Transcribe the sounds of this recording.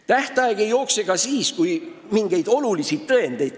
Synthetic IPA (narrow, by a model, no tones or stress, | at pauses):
t̪æht̪ɑeɡ̥e̞jo̞ːkseɡɑsiːskujmiŋɡ̥e̞jd̪̥o̞lulisid̪̥̚t̪ɤend̪̥e̞jd̪̥